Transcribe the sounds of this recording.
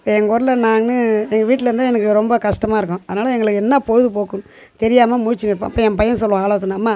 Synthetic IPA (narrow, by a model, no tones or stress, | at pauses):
pːɛŋɡɐɾɐlɐnaːŋnɯɛŋɡɐʋiːʈ̬ːɪlɐɾɯnd̪aɛnɐkːɯɾɔmbɐkɐʂʈɐmaːɪɾɯkːʊ̃ɐðɐnaːlɐɛŋɡɐɭɯkːɛnːapɔɻɯðɯpoːkːɯn | t̪ɛɾɪjaːmɐmʊɻt͡ʃːɪnɪɾpːã̰ːɐpːoːɛmpɐjɐnsɔlːʊ̃aːɭɐːɐt̪ːɯnaːmːaː